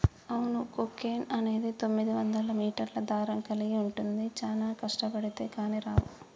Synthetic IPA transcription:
ɐwunukokeːnɐne̞ːd̪it̪o̞mːid̪iʋɐnd̪ɐlɐmiːʈɐɾlɐd̪aːɾɐŋkɐliɡiuɳʈund̪it͡ʃaːlaːkɐʂʈɐpɐɽit̪e̞ːkaːniɾaːʋu

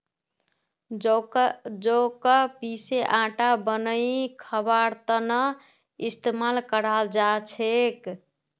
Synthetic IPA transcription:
d͡ʒokəpiseʔãʈabənəikʰəbaɾt̪ənə | ist̪emalkəɾald͡ʒat͡ʃʰek

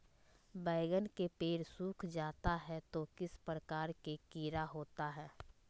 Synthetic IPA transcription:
bɛːɪɡənkepeːɾsuːkʰd͡ʒaːt̪aɦɛt̪okɪspɾəkaːɾkekiːɾaɦoːt̪aɦɛː

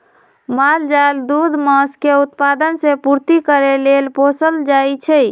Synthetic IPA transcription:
mald͡ʒaeld̪ud̪məskeut̪̚pad̪ənsẽpuɾt̪ikəɾelelposəld͡ʒajt͡ʃʰɛj

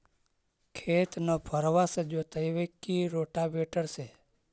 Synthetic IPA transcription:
kʰet̪nopʰəɾʋased͡ʒot̪əjʋekːiɾoʈabeʈəɾse

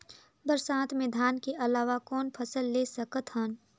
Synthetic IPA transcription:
bəɾsaːt̪ʰmɪ̃d̪ʱaːnkeʔɐlaːʋakɔːnpʰəsəlːeːsəkət̪ɦən

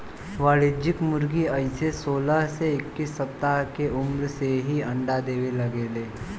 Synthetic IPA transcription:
ʋaːɭɪd͡ʒɪkmʊɾɡiəɪsesoːlaɦseɪkːisːɐp̚t̪aɦkeʔʊmɾseɦiɐ̃ɳɖad̪eːʋelɐɡeːleː

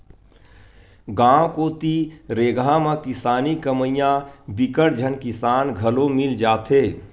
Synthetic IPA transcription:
ɡãːwkoːt̪iɾeːɡʱamãkɪsaːnikəməjãbɪkəɾd͡ʒʱənkɪsaːnɡʱəlomɪld͡ʒaːt̪ʰɦeː

